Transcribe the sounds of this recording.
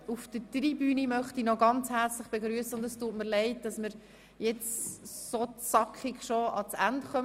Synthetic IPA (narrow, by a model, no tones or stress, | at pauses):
ufd̥ətribyːnimœχtinɔɡɑnt͡shɛɾt͡slɪχb̥eɡɾyəsəʊndəstuːtməɾlɛɪt̚d̥ɑsməɾ | jɛt͡ssot͡sɑkχɪkʃoɑt͡sændχœm